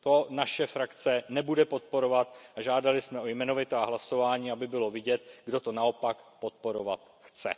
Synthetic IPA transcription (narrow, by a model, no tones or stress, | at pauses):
t̪o̞naʃɛfɾakt͡sɛnɛbudɛpo̞t̪̚po̞ɾo̞vat̪aʒaːdalɪsmɛojmɛno̞vɪt̪ɛaɦlaso̞vaːɲiːabɪbɪlo̞vɪɟɛt̪̚ɡdo̞t̪o̞nao̞pakpo̞t̪̚po̞ɾova̰t̪ | xt͡sɛ̰